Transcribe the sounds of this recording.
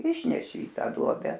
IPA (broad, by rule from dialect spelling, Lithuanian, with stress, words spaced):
ˈɪʃʲnʲɛʃʲɪ ɪ ˈtɑː ˈduɔbʲɛ